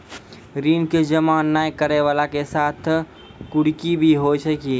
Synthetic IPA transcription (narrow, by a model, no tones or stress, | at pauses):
ɾiːnked͡ʒəmaːnːaːjkəɾeʋaːlakesaːt̪ʰ | kʊɽkibʱiɦosəki